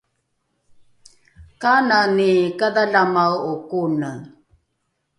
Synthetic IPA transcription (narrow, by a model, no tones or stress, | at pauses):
kananikadaɮamawukunə